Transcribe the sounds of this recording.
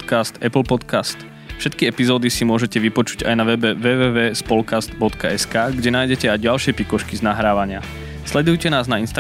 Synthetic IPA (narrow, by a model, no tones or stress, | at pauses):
t̪kast̪ɛpl̩pɔt̪kast̪ | fʃɛt̪kiɛpizɔːd̪isimʊɔʒɛcɛʋipɔt͡ʃu̥ɟa̰jnaʋɛbɛʋɛʋɛːʋɛːspɔlkast̪bɔt̪kaɛskaːɡɟɛnaːjɟɛcɛajɟalʃɪɛpikɔʃkiznaɦɾaːʋaɲɪa | slɛd̪ujcɛnaːznainst̪a